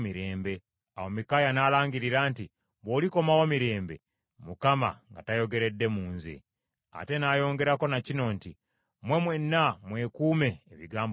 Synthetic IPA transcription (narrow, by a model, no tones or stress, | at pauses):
miɾe̞ːmbe̞ | a̰womikajanaːlaːŋɡiɾiɾaːnti | βoːliko̞mawomiɾe̞ːmbe | mukama̰ŋɡatajo̞ɡe̞ɾe̞dːe̞muːnzḛ | a̰te̞naːjo̞ːŋɡe̞ɾako̞nacino̞nti | mwe̞mwe̞nːamwe̞ːkuːme̞ːβiɡaːmb